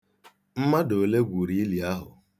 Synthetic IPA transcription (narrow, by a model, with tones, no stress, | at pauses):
m̩˦ma˦do˨le˦ɡʷu˨ɾi˨i˦li˨a˦ɦʊ̰˨